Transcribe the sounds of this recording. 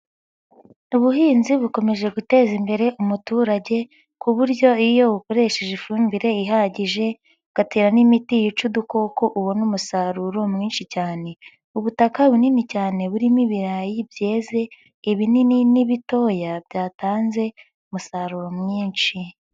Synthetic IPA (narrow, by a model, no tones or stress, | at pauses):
uβuɦiːnziβuko̞me̞ʒe̞ɡute̞ːzimbe̞ɾe̞ʔumutuːɾaɟe̞ | kuβuɾɟo̞ijo̞βuko̞ɾe̞ʃe̞ʒifuːmbiɾe̞iɦaɟiʒe̞ | ɡ̥ateːɾanimitijut͡ʃuduko̞koʔuβo̞numusaɾuɾomŋiːnʃicaːne̞ | uβutakaβuninicaːne̞βuɾimiβiɾajibje̞ːze̞ | iβinininiβito̞jabjaːtaːnze̞ | umusaɾuɾomŋiːnʃi